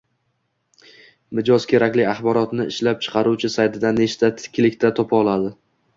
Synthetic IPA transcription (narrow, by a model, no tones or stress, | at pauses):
mɪd͡ʒɒz̥kʲʰe̞ɾakʲlɪaχbɒɾɒt̪nɪːɪʃlap̚t͡ʃʰɨ̥qʰɑɾuwt͡ʃʰɪsajt̪ʰɪd̪aneʃt̪ʰat̪ʰɪ̥kʲʰːlɪkʲt̪ʰat̪ʰɒpʰaɒlˠad̪ɪ